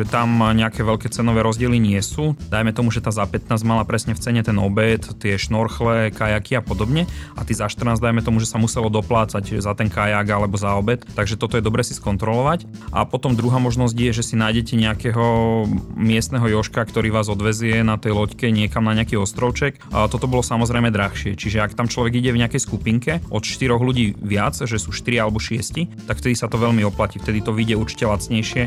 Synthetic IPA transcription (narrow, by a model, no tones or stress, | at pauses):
ʒɛt̪amɲɛakɛʋɛʎkɛːt͡sɛnɔʋɛːɾɔzɟɪɛliɲɪɛsuːd̪ajmɛt̪ɔmuʒɛt̪aːzapɛt̪naːzɟmalapɾɛsɲɛft͡sɛɲɛt̪ɛnɔbɛt̪ːɪɛʃnɔɾxlɛkajakiapɔd̪ɔbɲɛat̪izaʃt̪r̩naːzd̪ajmɛt̪ɔmuʒɛsamusɛlɔd̪ɔplaːt͡saczat̪ɛnkajaɡalɛbɔzaɔbɛt̪ːaɡʒɛt̪ɔt̪ɔjɛd̪ɔbɾɛːsiskɔnt̪ɾɔlɔʋacʔa̰pɔt̪ɔmd̪ɾuɦaːmɔʒnɔz̬ɟjɛʒɛsinaːjɟɛcɛɲɛakɛɦɔ | mɪɛst̪nɛɦɔjɔʃkakt̪ɔɾiːʋaːzɔd̪ʋɛzʊɛnat̪ɛjlɔckɛɲɪɛkamnaɲɪakiːɔst̪ɾɔʊt͡ʃɛkt̪ɔt̪ɔbɔlɔsamɔzɾɛjmɛd̪ɾaxʃɪɛt͡ʃiʒɛakt̪amt͡ʃlɔʋɛɡiɟɛvɲɛakɛjskupiŋkɛʔɔt̪ʃt̪iɾɔɣluɟiːʋɪat͡sʒɛsuːʃt̪iɾialɛbɔʃɪɛscit̪akft̪ɛd̪isat̪ɔʋɛlmiɔplacift̪ɛd̪it̪ɔʋiɟɛuɾt͡ʃi̥cɛlat͡sɲɛjʃɪɛ